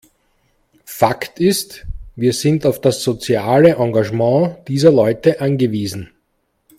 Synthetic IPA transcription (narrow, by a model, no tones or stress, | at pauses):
faktɪstviːɐzɪntaʊfd̥asz̥ot͡sjaːləʔɑ̃ŋɡaʒmɑ̃ːd̥iːzɐlɔʏtəʔanɡəviːzn̩